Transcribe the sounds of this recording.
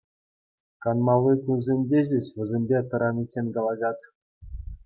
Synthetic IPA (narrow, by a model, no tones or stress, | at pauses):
kɑnmɑlːɯkʲunzʲenʲdʲeʑʲeɕʋʲɘ̆zʲemʲbʲet̪ɤ̆ɾɑmʲit͡ɕʲːenʲkɑlˠɑʑɑt̪ʲ